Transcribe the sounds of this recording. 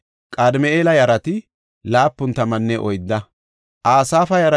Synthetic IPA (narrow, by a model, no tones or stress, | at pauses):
kʼaːd̪ɪmɛʔeːlɐjɐɾɐt̪ɪ | laːpːʊnt̪ːɐmɐnːɛʔɔjd̪ːɐ | ʔaːsaːfɐjɐɾɐ